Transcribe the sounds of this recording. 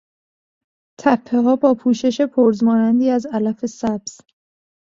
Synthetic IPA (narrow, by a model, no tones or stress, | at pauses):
t̪ʰæpʰːeɦɒːbɒːpʰuːʃe̞ʃe̞pʰoɾzmɒːnænd̪iːæzælæfe̞sæb̥z̥